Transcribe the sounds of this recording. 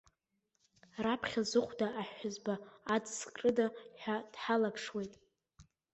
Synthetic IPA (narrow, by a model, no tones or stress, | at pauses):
rapʰχʲazɨχʷdaʔaħːʊzbaːd͡zskʼrʼɨdaħʷᶣad̥ħalapʰʂwe̞jtʼ